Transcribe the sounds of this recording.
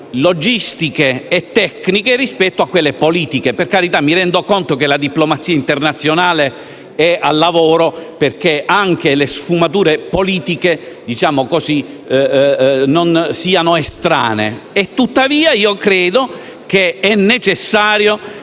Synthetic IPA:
lod͡ʒist̪ikeːt̪ːɛknikerispɛt̪ːoakːwelːepoliːt̪ikeperkaɾit̪amːiɾɛnd̪okont̪okelad̪iplomat̪siːaint̪ernat̪sːjonaːle | ɛalːavoːɾoperk̟eaŋk̟elesfumat̪uːɾepoliːt̪ike | d̪it͡ʃaːmokozi | nonsiːanoest̪ɾa̰ːnḛet̪ːut̪ːaviːaiːokɾeːd̪o | k̟eɛnːet͡ʃesːaːɾjo

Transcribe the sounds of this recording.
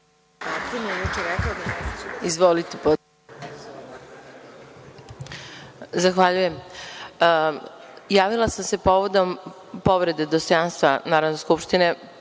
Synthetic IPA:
at̪emiejut͡ʂeɾɛklod̪aizʋolit̪epo | zaxʋaʎuje̞m | jaːʋilˠasamse̞po̞ʋod̪o̞m | po̞ʋɾe̞d̪ed̪ost̪ojanst̪ʋanaːɾonoskupʃt̪ine̞

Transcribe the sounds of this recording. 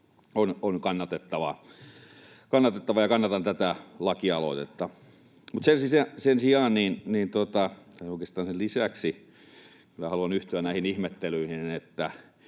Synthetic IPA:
ononkɑnːɑt̪et̪ːɑʋɑ̰ | kɑnːɑt̪et̪ːɑʋɑjɑkɑnːɑt̪ɑnt̪æt̪ælɑkiɑlo̰ˑit̪et̪ːɑ | mut̪sensissensiɑːnninniːnt̪ot̪ɑt̪æoˑikeˑst̪ɑːnsellisæksi | kylːæhɑluɑnyht̪yænnæˑihinihmet̪ːelyihinet̪ːæ

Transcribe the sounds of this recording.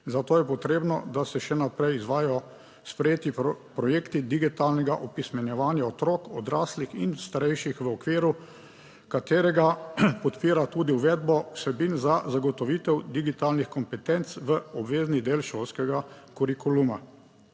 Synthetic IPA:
zat̪oːjɛpɔt̪ɾeːbnɔ̰d̪asɛʃɛnapɾɛjizʋaːjɔ | spɾɛjeːt̪ipɾɔjeːkt̪id̪iɡit̪aːlnɛɡaʔɔpismɛnjɛʋaːnjaɔt̪ɾɔːkɔd̪ɾaːslixinst̪aɾɛjʃixʋəɔkʋiːɾu | kat̪eːɾɛɡapɔt̪piːɾat̪uːd̪iwʋɛːd̪bɔwsɛbinzazaɡɔt̪ɔʋiːt̪ɛwd̪iɡit̪aːlnixkɔmpɛt̪ɛnt̪sʋəɔbʋeːznid̪eːlʃoːlskɛɡa | kuɾikuluma

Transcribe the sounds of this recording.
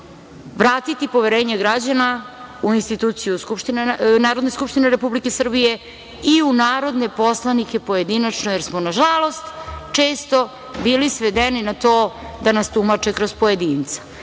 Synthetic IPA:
ʋɾaːt̪it̪ipo̞ʋeɾeːɲeɡɾad͡ʑanauinst̪it̪uːt̪sijuskupʃt̪innaːɾo̞d̪ne̞skupʃt̪ineɾe̞publike̞sr̩bije̞ | iunaːɾo̞d̪ne̞poslˠanikʲepo̞jed̪inat͡ʃnojeɾsmonaʒalˠo̞st̪t͡ʃe̞ːst̪o̞ | biːlisʋed̪eninat̪o̞ː | d̪anast̪umat͡ʃekɾospo̞jed̪iːnt̪sḁ

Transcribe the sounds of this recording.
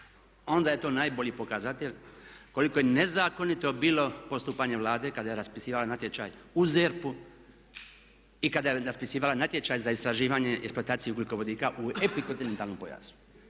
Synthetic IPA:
o̞nd̪aje̞t̪o̞ːnaːjbo̞ʎiːpo̞kazat̪eʎkoliko̞jenezaːko̞nit̪o̞biːlo̞po̞st̪uːpaɲe̞ʋlˠaːd̪e̞kad̪ajeɾaspisiːʋalanat̪je̞t͡ʃa̰ːjuzeɾpu | ikad̪ajeɾaspisiːʋalanat̪je̞t͡ʃaːjzaist̪ɾaʒiːʋaɲe̞ʔeksploat̪aːt̪sijeukliko̞ʋo̞d̪iːkaʔuepikont̪inent̪aːlno̞mpoja̰su̥

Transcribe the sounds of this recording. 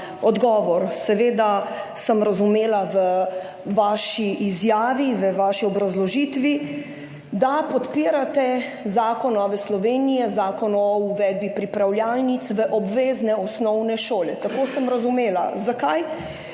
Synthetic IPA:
ɔd̪ɡɔːʋɔɾsɛʋeːd̪asəmɾazumeːlaʋə | ʋaːʃiizjaːʋiʋəʋaːʃiɔbɾazlɔʒit̪ʋi | d̪apɔt̪piːɾat̪ɛzaːkɔnɔʋɛslɔʋeːnijɛzaːkɔnɔuʋɛːd̪̚bipɾipɾawljalnit̪sʋəʔɔbʋeːznɛɔsnɔwnɛʃoːlɛt̪akoːsəmɾazumeːla̰zakaj

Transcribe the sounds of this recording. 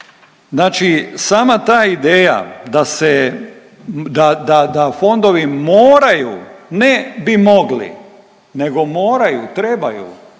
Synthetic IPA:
znaːt͡ʃisaːmat̪aːid̪eːja̰d̪ase | d̪ad̪ad̪afo̞nd̪o̞ʋimoːɾajṵːnebimo̞ɡlḭ | ne̞ɡo̞moːɾajut̪ɾebajṵ

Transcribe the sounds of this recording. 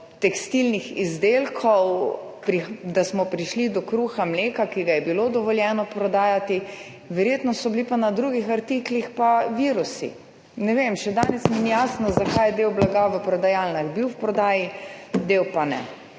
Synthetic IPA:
t̪ɛkst̪ilnixizd̪eːlkʰɔw | pɾid̪asmɔpɾiʃlid̪ɔkɾuxamleːkakiɡajɛbilod̪ɔʋɔljɛːnɔpɾɔd̪aːjat̪i | ʋɛɾjeːt̪nɔsɔblipanad̪ɾuɡixaɾt̪iklixpaʋiːɾusḭ | nɛʋemʃɛd̪aːnɛsmɛnijaːsnɔzakajɛd̪ewblaɡaʋəpɾɔd̪ajalnaɣbiwwpɾɔd̪aːjid̪ewpanɛ̰

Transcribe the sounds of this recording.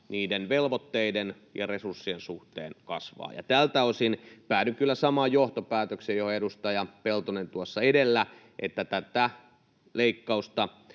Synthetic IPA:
niːdenʋelʋot̪ːeiden | jɑresursːiensuht̪ḛːnkɑsʋɑ̰ːjɑ̰t̪ælt̪æosinpæːnykkylːæsɑmɑjjoht̪opæːt̪øksejohoedust̪ɑjɑpelt̪unent̪uosːɑedelːæ | ʔḛt̪ːæt̪æt̪æ | leikːɑust̪ɑ

